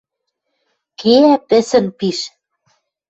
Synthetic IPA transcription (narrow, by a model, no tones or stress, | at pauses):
kʰeæpɘ̆sɘ̆npiʃ